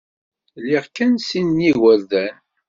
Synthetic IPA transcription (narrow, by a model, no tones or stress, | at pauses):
liʁkænsinːiwəɾðæn